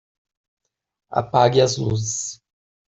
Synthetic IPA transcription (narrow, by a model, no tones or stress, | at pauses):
a̰paɡiɐzlṵzɪs